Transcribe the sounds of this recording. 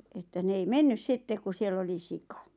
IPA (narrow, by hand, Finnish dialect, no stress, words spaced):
etːæ ne ei menːys sitːek ku sielː oli sikɑ